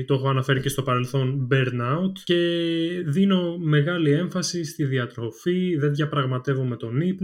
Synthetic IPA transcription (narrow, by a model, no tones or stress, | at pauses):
t̪oxoɐnɐfe̞ɾice̞st̪o̞pɐɾe̞lθo̞nbeɾnɐut̪ce̞ðino̞me̞ɣɐlie̞ɱfɐsist̪iðiɐt̪ɾo̞fiðe̞nðʝɐpɾɐɣmɐt̪e̞vume̞t̪o̞nip